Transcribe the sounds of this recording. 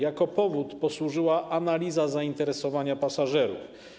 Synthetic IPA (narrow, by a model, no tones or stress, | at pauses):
jakɔpɔvut̪pɔswuʐɘwaʔanalʲizazaint̪ɛɾɛsɔvaɲapasaʐɛɾṵf